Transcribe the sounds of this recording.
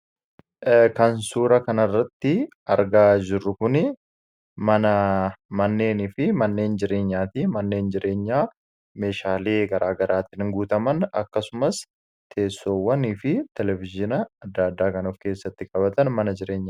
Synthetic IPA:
kɐnsuːɾɐkɐnɐrːɐt̪ːɪ | ɐɾɡaːd͡ʒɪrːʊkʊnɪ | mɐnɐmɐnːe̞ːniːfɪmɐnːe̞ːnd͡ʒɪɾe̞ːɲːaːt̪imɐnːe̞ːnd͡ʒɪɾʔe̞ːɲːaː | me̞ːʃaːleːɡɐɾʔaːɡɐɾʔaːt̪ɪnɪŋɡuːt̪ɐmɐnɐ̰kːɐsʊmɐs | t̪ʰe̞ːsːo̞ːwːɐniːfɪt̪ɛlɛvɪd͡ʒɪnɐɐd̪ːaːd̪ːaːkɐnuːfke̞ːsːɐt̪ːɪkʼɐbɐt̪ɐnmɐnɐd͡ʒɪɾe̞ːɲːaː

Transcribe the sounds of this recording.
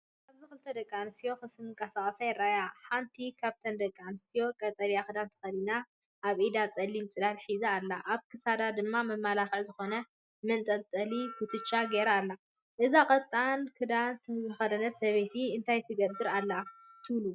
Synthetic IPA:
kaβzixɨlt̪ʰɐd̪ɐkʼːanɨst̪ʰijo̞xɨsɨŋkʼasakʼɐsajɪrːajaħant̪ʰikʰaβt̪ʰɐnd̪ɐkʼːanɨst̪ʰijo̞kʼɐt̪ʼɐlijaxɨd̪ant̪ʰɨ̥xɐd̪ina | ʔaβʔid̪at͡sʼɐlːimt͡sʼɨdalħizɐːlːaʔaβkʰɨsad̪ad̪ɨmːamɐmːalaxɨʕzɨxo̞nɐ | mɐnt̪ʼɐlt͡s̪ʼɐlikʰut̪ʰɨt͡ʃːaɡeɾaːlːa | ʔɨzakʼɐt̪ʼːankʰɨd̪ant̪ʰɨxɐd̪ɐnɐsɐβet̪ʰiɨnt̪ʰajt̪ʰɨɡɐbːɨɾalːat̪ʰɨβlu

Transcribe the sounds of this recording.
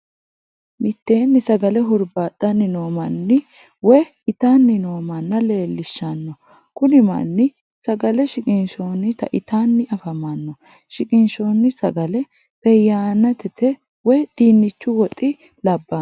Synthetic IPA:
mɪt̪ːe̞ːnːɪsɐɡɐlɛɦʊɾbaːt̪ʼːɐnːɪno̞ːmɐnːɪ | wɔj | ɪt̪aːnːɪno̞ːmɐnːɐle̞ːlːɪʃːɐnːɔ | kʊnɪmɐ̰nːɪ | sɐɡɐlɛʃɪkʼɪnʃo̞ːnːɪt̪ɐ̰ʔɪt̪anːɪɐfɐmɐnːɔ | ʃɪkʼɪnʃo̞ːnːɪsɐɡɐlɛ | pɛjːaːnːɐt̪ɛt̪ʰɛ | wɔjd̪̥iːnːɪt͡ʃːʊwɔt̪ʼːɪ | lɐbːɐ

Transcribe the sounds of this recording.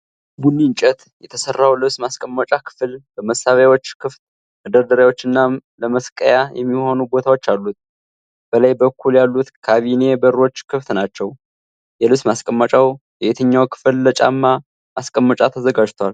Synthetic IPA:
bunːint͡ʃʼɛt̪jɛt̪ʰəsərːawlɨβsmaskʼəmːət͡ʃʼakʰɨ̥flbəməsːaβjawo̞t͡ʃːkʰɨft̪̚ | məd̪əɾd̪əɾawo̞t͡ʃːɨnːaləməskʼəjajɛ̰mːiho̞nubo̞t̪ʰawot͡ʃːalːut̪̚ | b̥ələjbəkːuljalːut̪kʰaβine̞bəɾo̞t͡ʃːkʰɨft̪nat͡ʃːɛw | jɛlɨβsmaskʼəmːət͡ʃʼawjɛʔet̪ʰəɲːawkʰɨ̥fɨlːət͡ʃʼa̰mːa | maskʼəmːət͡ʃʼat̪ʰəzəɡad͡ʒt̪ʰwal

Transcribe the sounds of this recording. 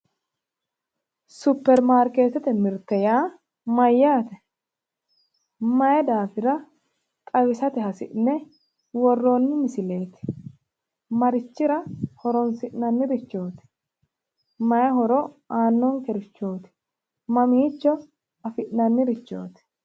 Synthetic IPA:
sʊpːɛɾmaːɾke̞ːt̪ɛt̪ɛmɪɾt̪ɛjaː | mɐjːaːt̪ɛ | mɐjɛd̪aːfɪɾɐ | t̪ʼɐwɪsɐt̪ɛɦɐsɪ̰ʔnːɛ | wɔrːoːnːɪmɪsɪle̞ːt̪ɪ̥ | mɐɾɪt͡ʃːɪɾɐhɔɾɔnsɪʔnɐnːɪɾɪt͡ʃːo̞ːt̪ɪ̥ | mɐjɐɦɔɾɔaːnːɔŋkɛɾɪt͡ʃːoːt̪ɪ̥ | mɐmiːt͡ʃːɔ | ɐfɪʔnɐnːɪɾɪt͡ʃːo̞̰ːt̪ɪ̥

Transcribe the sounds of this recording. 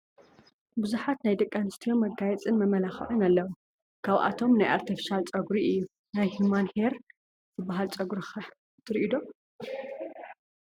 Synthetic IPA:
buzuħat̪najd̪ɐkʼːanɨst̪ʰijomːɐɡajɛt͡sʼɨnmɐmɐlaxʕunɐlːɐwu | kʰaβʔa̰t̪ʰo̞mnajʔaɾt̪ʰɐfi̥ʃalt͡sʼɐɡɾiʔɨjːu | najhumanheɾ | zɨbːaɦalt͡sʼɐɡɾixɐ | t̪ʰɨɾʔid̪o̞

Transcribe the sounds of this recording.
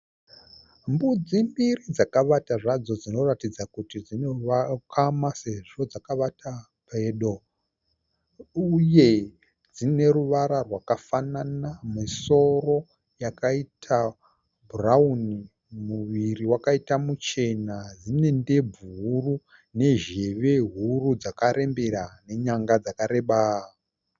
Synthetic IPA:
mbud͡zimbirid͡zakaʋataʐad͡zo̞d͡zino̞ratid͡zakutid͡zinoʋakʰamase̞ʐo̞d͡zakaʋata | peːɗo̞ | uje̞ | d͡zine̞ɾuʋaɾarwakafananamiso̞ro̞ | jakaitʰa | bʱurauni | muʋiriwakaitamut͡ʃe̞nad͡zine̞nde̞bʱuru | ne̞ʒe̞ʋe̞ɦurud͡zakaɾe̞mbeɾane̞ɲaŋɡad͡zakaɾe̞ɓa

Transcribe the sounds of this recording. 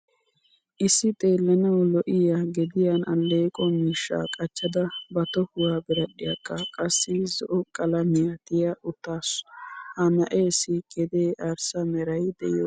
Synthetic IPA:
ʔɪsːɪt̪ʼeːlːɐnɐwlɔʔɪjaɡɛd̪ɪjanɐlːeːkʼɔmiːʃːa̰ːkʼɐt͡ʃːɐd̪ɐbɐt̪ɔhʊwaːbɪɾɐɗɪjɐkʼːɐkʼɐsːɪzɔʔɔkʼɐlɐmɪjɐt̪ɪjɐʔʊt̪ːaːshɐnɐʔeːsikʼɛd̪eːʔɐɾsɐmɛɾɐjd̪ɛ̰jɔ

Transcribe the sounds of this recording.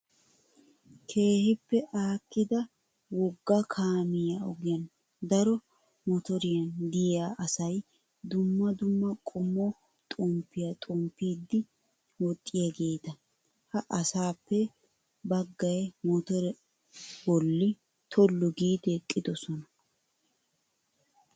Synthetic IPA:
kʰe̞ːhɪpːɛʔaːkːɪd̪ɐ | wɔɡːɐkʰaːmɪjaɔɡɪjɐn | d̪ɐɾɔ | mɔt̪ɔɾɪjɐnd̪ɪjaʔɐsɐj | d̪ʊmːɐd̪ʊmːɐkʼʊmːɔ | t̪ʼɔmpːɪjɐt̪ʼɔmpːiːd̪ːɪ | wɔt̪ʼːɪjɐɡe̞ːt̪ɐ | hɐʔɐsaːpːɛ | bɐɡːɐjɛmɔt̪ɔɾɛ | bɔlːɪ | t̪ʰɔlːɔɡiːd̪ɛkʼːɪd̪ɔsɔnɐ

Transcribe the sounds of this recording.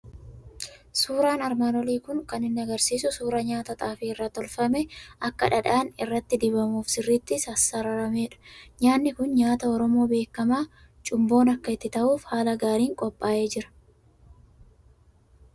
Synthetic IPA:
suːɾaːnɐɾmaːnɔliːkʊŋkɐnɪnːɐɡɐɾsiːsʊsuːɾɐɲaːt̪ɐt̪ʼaːfiɪrːat̪ɔlfɐmɛʔɐkːɐᶑɐᶑaːnɪrːɐt̪ːɪd̪ɪβɐmuːfsɪrːiːt̪ːɪsɐsːɐɾɐɾɐmeːᶑɐ̥ɲaːnːɪkʊnɲaːt̪ɐɔɾɔmo̞ːbe̞ːkːɐmaː | t͡ʃʼʊmbo̞ːnɐkːɐɪt̪ːɪt̪ɐʔuːfhaːlɐɡaːɾiːŋkʼɔpʼːaːʔe̞ːd͡ʒɪɾɐ̥

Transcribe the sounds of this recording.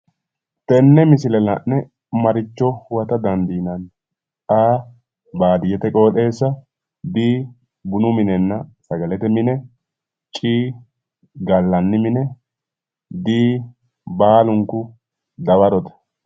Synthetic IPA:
t̪ɛnːɛmɪsɪlɛlɐ̰ʔnɛ | mɐɾɪt͡ʃːɔwɐt̪ɐd̪ɐnd̪iːnɐn | aː | baːd̪ɪjɛt̪ɛkʼo̞ːt̪ʼe̞ːsːɐ | d̪iː | bʊnʊmɪnɛnːɐsɐɡɐlɛt̪ɛmɪnɛ | t͡ʃʼiː | ɡɐlːɐnːɪmɪnɛ | d̪iː | baːlʊŋkːʊ | d̪ɐβɐɾɔt̪ɐ̥

